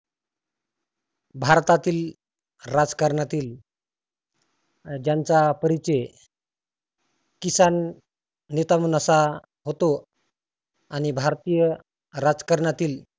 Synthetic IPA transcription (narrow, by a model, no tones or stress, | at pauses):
bʱaɾt̪at̪iːl | ɾad͡zkəɾɳjat̪iːl | d͡ʑjant͡sapəɾit͡ɕe | kisanː | et̪amuːnəsa | ɦot̪o | añibʱaɾt̪ijə | ɾad͡zkəɾɳjat̪iːl